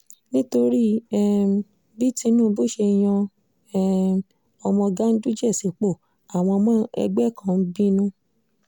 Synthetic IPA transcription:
nĩ˦to˧ɾi˦˨ | bi˦ti˧˦nũː˦bo˦˨ʃe˧j̃ɔ̃˧˦˨ | ɔ˧mɔ̃˧ɡa˦n̩˦du˦d͡ʒɛ˦˨si˨k͡po˦˨ | a˨w̃ɔ̃˧mã˦ɛ̰˧ɡ͡bɛ˦˨kʰã˧˦n̩˦bi˦nũ˦

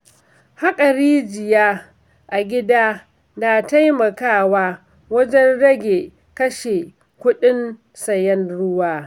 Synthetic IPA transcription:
ha˦kʼɐ˨ɾiː˦d͡ʒɪ˨jaː˦ | ʔa˨ɡʲɪ˦daː˦ | na˨ta˦jmɐ˨kaː˦˨waː˦ | wɐ˦d͡ʒɛ˦nɽɐ˦ɡʲe˨ | kɐ˦ʃe˨ | kʷʊ˦ɗɪ˦n | sɐ˨jɛ˦nɽʊ˦waː˦

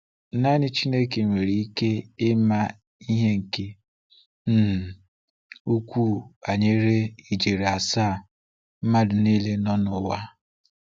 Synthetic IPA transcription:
na˦nɪ˦t͡ʃi˦ne˦ke˨ŋʷe˨ɾi˨i˦ke˦ɪ˦ma˦ | i˦ɦe˦ŋ̩˨ke˦ | n̩˦˨ | u˦kʷu˦˨a˨ɲe˦ɾe˦i˨d͡ʒe˨ɾe˨a˨saː˦˨ | m̩˦ma˦dʊ˨ne˦le˦nɔ˦nʊ˨˦wa˦

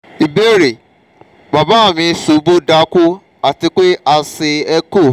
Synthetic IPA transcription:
i˨be˦ɾe˨ | ba˨ba˦˨mĩ˧˦su˨˦bo˦da˧˦ku˦ | a˨ti˧k͡pe˦a˧se˧ɛ˦ko˦˨

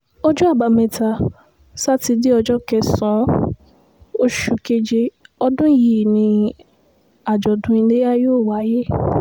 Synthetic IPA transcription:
o˦d͡ʒɔ˦a˦˨ba˨˧mɛ̃˨ta˧ | sa˦ti˧di˦ɔ˧d͡ʒɔ˦kɛ˧sɔ̃˨˦ | o˦ʃu˧ke˧d͡ʒe˧ɔ˧dũ˦jiː˦˨nĩ˧ | a˨d͡ʒɔ˨dũ˧˦i˧le˦ja˦joː˦˨wa˨˦je˦

